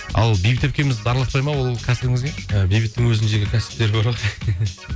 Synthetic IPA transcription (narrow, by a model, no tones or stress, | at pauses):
ɑ̰lˠbijbɪt̪ːep̚kʲe̞mɪzd̪ɑɾlˠɑq̪̚pɑjmɑwo̞llˠkʲʰæsɪbɪŋɪzɡʲeəbijbɪt̪ːɪŋwɵzɪnd̪e̞ɡʲɪkʲʰæsɪ̥p̚t̪e̞ɾboɾɑq